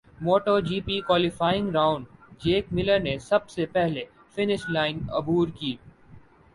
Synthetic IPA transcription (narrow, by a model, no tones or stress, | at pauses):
moːʈoːd͡ʒiːpiːkwaːlɪfaːɪ̃ŋɡɾãːʊ̃ɳɖd͡ʒeːkmɪləɾnesɐbsepɛɦle | fɪnɪʃlaːɪ̃nɐ̰bʱuːɾkiː